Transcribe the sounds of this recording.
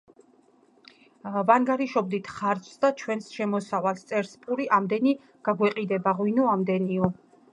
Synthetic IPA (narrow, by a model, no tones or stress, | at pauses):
vaŋɡaɾiʃɔbd̪it̪ʰχaɾt͡ʃʰsd̪at͡ʃʰwɛnsʃɛmɔsavalst̪sʼɛɾspʼuɾiʔamd̪ɛni | ɡ̥aɡwɛqʼid̪ɛbaʁwinuamd̪ɛniɔ